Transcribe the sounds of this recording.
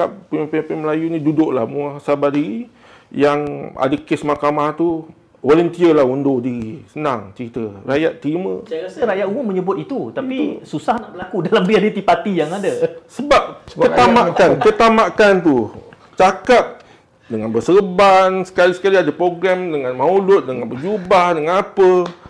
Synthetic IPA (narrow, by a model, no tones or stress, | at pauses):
kap̚pimpipinməlajunĩdudʊʔla̰hmuasabadiɾi | jaŋa̰dakesmakamaht̪u | wolənt̪iəlahundodiɾisənaŋt͡ʃəɾit̪ərajat̪̚ːəɾimə̰̃asəɾajaʔuʊməɲəbʊt̪̚it̪ut̪apisusahnaʔbəlakudalambiadət̪ipat̪ijaŋadasəbap̚ət̪amaʔkankət̪amaʔkant̪u | t͡ʃakap̚ | dəŋanbəsəbansə̥kalisə̥kaliadəpɾoɡɾɛmdəŋãnmãulʊt̪̚dəŋãnbəd͡ʒubahdəŋanapə